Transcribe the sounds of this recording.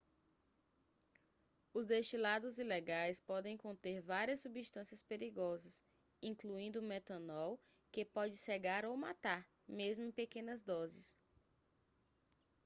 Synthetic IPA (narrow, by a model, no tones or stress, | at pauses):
ʊzd̪eʃt͡ʃilad̪ʊzileɡajspɔd̪ẽj̃kõnt̪eɾvaɾiɐsːubiʃt̪ɐ̃siɐspeɾiɡɔzɐs | ĩkluĩnd̪ʊmɛt̪ɐ̃nɔw | kepɔd͡ʒɪseɡaɾowmat̪aɾ | mezmʊẽj̃pekẽnɐzd̪ɔzɪs